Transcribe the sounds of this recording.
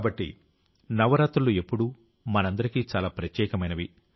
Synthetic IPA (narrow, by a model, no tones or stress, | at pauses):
bɐʈːḭ | nɐʋɐɾaːt̪ɾulue̞pːuɽu | mɐnɐnd̪ɐɾikiːt͡ʃaːlaːpɾɐt̪jɛːkɐmɐjnɐʋi